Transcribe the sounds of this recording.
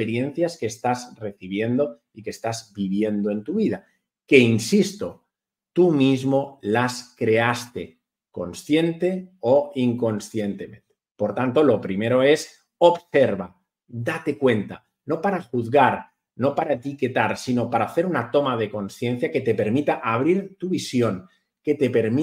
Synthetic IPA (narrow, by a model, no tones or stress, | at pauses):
eɾje̞n̟θjaske̞ːst̪azre̞θiβ̞je̞nd̪o̞ | ike̞st̪azbiβje̞nd̪oe̞nt̪uβiða | ke̞insist̪o̞ | t̪umizmo̞laskɾe̞ast̪e̞ | ko̞nsθje̞nt̪e̞o̞iŋko̞nsθje̞nt̪e̞mẽ̞nt̪e̥po̞ɾt̪ant̪o̞lo̞pɾime̞ɾo̞e̞s | o̞βse̞ɾβa | d̪at̪e̞kwe̞nt̪a | no̞paɾaxuðɣaɾ | no̞paɾaet̪ike̞t̪aɾsino̞paɾaːθe̞ɾunat̪o̞mað̞e̞ko̞nsθje̞n̟θjake̞t̪e̞pe̞ɾmit̪aʔaβɾiɾt̪uβisjo̞ŋ | ke̞t̪e̞pe̞ɾmi